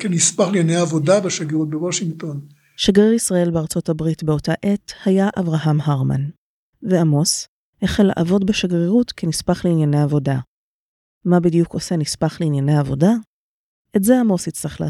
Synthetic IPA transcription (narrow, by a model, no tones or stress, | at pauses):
kenispaχlijanejaavo̞dabeʃaɡiʁut̪̚bewoʃiŋɡt̪o̞n | ʃaɡʁiʁisʁae̞lbeaʁt͡so̞tabʁitbe̞o̞taʔe̞thajaʔavʁaɦamɦaʁma̰n | veamo̞s | heχelːa̰ʔavo̞dbeʃaɡʁiʁutkenispaχleinjaneavo̞da | mabidijuko̞senispaχleinjanejaːvo̞da | ʔetze̞amo̞shit͡slaχla̰